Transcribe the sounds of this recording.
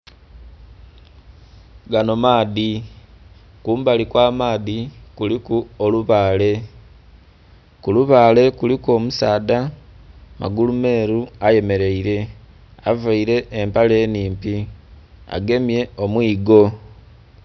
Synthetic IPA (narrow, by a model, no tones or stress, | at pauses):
ɡano̞maːði | kuːmbalikwaːmaːðikulikuoluβaːle̞ | kuluβaːle̞kuliko̞ːmusaːda | ma̰ɡulume̞ːɾuaje̞me̞ɾe̞iɾe̞ | avaiɾe̞ːmpale̞ːniːmpi | a̰ɡe̞mje̞o̞mwiːɡo̞